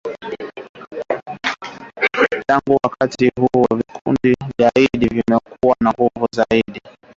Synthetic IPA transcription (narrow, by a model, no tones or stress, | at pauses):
taŋɡuwakatihuwavikʰṵndizaiɗivimɛkʰuwanahuvuzaiɗi